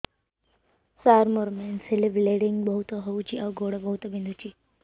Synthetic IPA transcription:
saɾmoɾmensiliʋleɽiŋɡbəɦut̪əɦout͡ʃiʔaɡoɽəbəɦut̪əbind̪ʱut͡ʃiː

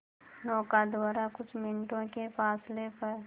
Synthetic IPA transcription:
nɔːkad̪ʋaːɾakʊt͡ʃʰmɪnʈõkefaːslepəɾ

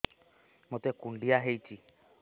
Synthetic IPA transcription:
mɔt̪ɛkun̩ɖiaɦeit͡ʃi

